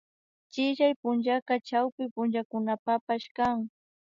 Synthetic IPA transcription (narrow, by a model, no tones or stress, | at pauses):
t͡ʃɪʃajpʊnʒakɑt͡ʃawpɪpʊnʒakʊnapapaʃkaŋ